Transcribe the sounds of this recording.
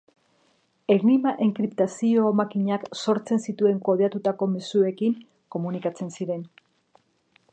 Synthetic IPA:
eɣnimaʔeŋkɾipt̪asio̞ːmakiɲakso̞ɾt͡se̞nsit̪ue̞ŋko̞ðeat̪ut̪ako̞mesue̞kiŋ | ko̞munikat͡se̞nsiɾe̞n

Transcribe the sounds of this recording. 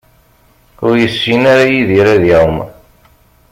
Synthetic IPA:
ʊɾjəsːinaɾajiðiɾaðiwm

